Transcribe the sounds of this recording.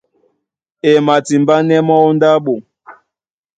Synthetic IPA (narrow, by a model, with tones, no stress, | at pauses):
e˨ma˨ti˨mba˦nɛ˦mɔ˦u˦nda˦ɓo˨